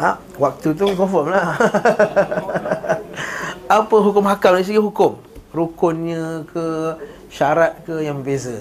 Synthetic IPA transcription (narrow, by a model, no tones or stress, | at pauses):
aʔ | wak̚t̪ut̪̬ukɔfɔmlah | apəɦukʊmɦakamdais̬iɡəɦukʊm | ɾukʊnɲə̃kʰə | ʃaɾat̪̚kəjaŋbəbezə